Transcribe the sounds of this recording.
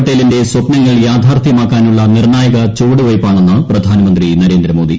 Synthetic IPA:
ʈːɐjlinde̞swɐpnɐŋːɐɭjaːd̪ʱaːrt̪ʰjɐmaːkːaːnuɭːɐnirɳaːjɐɣɐt͡ɕuːɽɨʋɐjpːaːɳenːɐprɐd̪ʱaːnɐmɐnd̪rinɐɾe̞ːnd̪ɾɐmoːd̪i

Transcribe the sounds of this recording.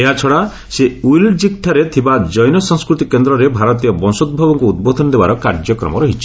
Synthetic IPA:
eɦat͡ʃʰɔɽa | seujld͡ʒikʈʰaɾet̪ʰibad͡ʒɔjnɔsɔŋskɾut̪ikend̪ɾɔɾebʱaɾɔt̪̬ijɔbɔnsod̪̚bʱabɔŋkuud̪̚bod̪ʱɔnɔd̪ebaɾɔkaɾd͡ʒɔkɾɔ̰mɔ̰ɾɔɦit͡ʃʰi

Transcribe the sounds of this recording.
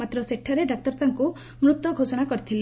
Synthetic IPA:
mat̪ɾɔseʈʰːɔɾeɖak̚t̪ɔɾt̪aŋku | mɾut̪wɔɡʱosɔɽ̃akɔɾit̪ʰili

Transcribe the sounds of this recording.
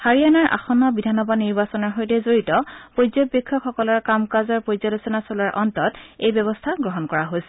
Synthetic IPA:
haɹijanaɹʔa̰xɔnːɔbidʱanɔbadniɹbasɔnɔɹxojtɛzoɹitɔpozɔbbɔkʰːɔkxɔkɔlɔɹkamkazɔɹpozɔlosɔnasolaɹʔɔntɔtejbɛβɔstʰaɡɹɔɦɔnkɔɹaɦojsɛ

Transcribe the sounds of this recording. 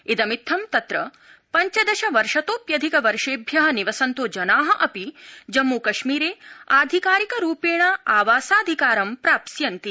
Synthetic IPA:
id̪ɐmit̪ʰːɐmt̪ɐt̪ɾɐ | pɐɲt͡ʃɐd̪ɐʃɐʋɐɾʃɐt̪oːpjɐd̪ʱikɐʋɐɾʂeːbʱjɐɦɐniʋɐsɐnt̪oːd͡ʒɐnaːɦɐʔɐpid͡ʒɐmːukɐʃmiːɾeːaːd̪ʱikaːɾikɐɾuːpeːɳɐaːʋaːsaːd̪ʱikaːɾɐmpɾaːpsjɐnt̪i

